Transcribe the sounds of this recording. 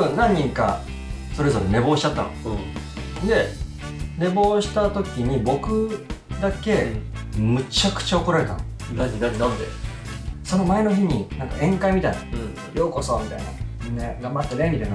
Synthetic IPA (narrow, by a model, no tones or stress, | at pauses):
onãɲ̟ːĩŋka̰ | so̞ɾe̞zo̞ɾene̞bo̞ːɕi̥t͡ɕat̪ːa̰no̰ | d̪e̞ | ne̞bo̞ːɕi̥t̪at̪o̞kʲiɲ̟ibo̞kɯ̟d̪ake̞mɯ̟t͡ɕakɯ̟̥t͡ɕaoko̞ɾaɾe̞t̪a̰n | t̪e | so̞no̞mae̞no̞çiɲ̟inãŋka̰ʔẽ̞ŋkaimʲit̪aina | ɾjo̞ːko̞soːmʲit̪a̰ina̰neɡãmbat̪ːe̞nemʲit̪aina